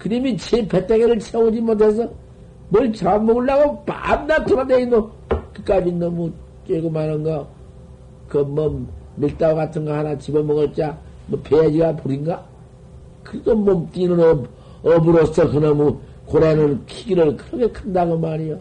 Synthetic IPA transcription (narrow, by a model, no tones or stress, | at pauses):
kɯɾimit͡ɕepʰetʰeɣeɾɯɭsʰeod͡ʑimot̬ʰesʰʌ | mʌlt͡ɕaanmʌɡɯɭːaɡopa̰mdatɯɾʌdeindo | kɯk͈abinːʌmu | t͡ɕeɡomanɯnɡa | kʌmʌːilt͈aoɣatʰɯŋɡahanat͡ɕibʌmːʌɣɯɭt͡ɕ͈a | mʌpʰead͡ʑiɡapoɾiŋɡa | kɯɾiɡomomt͈inɯn | ʌbuɾosʌkɯnʌmu | koɾenɯnkʰiɡiɾɯɭkɯɾʌkʰekʰɯndaɣomaɾijo